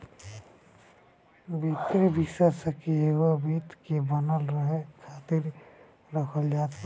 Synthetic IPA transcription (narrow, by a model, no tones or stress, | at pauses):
bit̪ɾibʱisəsəkiɦewəbit̪kebənəlɾəɦekʰaːt̪ɪɾ | ɾəkʰəld͡ʒaːt̪